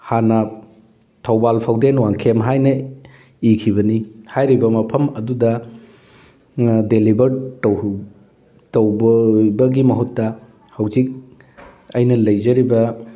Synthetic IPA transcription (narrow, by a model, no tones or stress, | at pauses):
hanɐ | tʰɐwbalpʰawdenwaŋkʰemɦajnɐ | ikʰiβɐnihajɾibɐmɐpʰɐmɐdudɐ | delibɐɾtɐw | tɐwbɐbɐɡimɐɦutːɐ | hɐwzik̚ | ɐjnɐlɐjzɐɾibɐ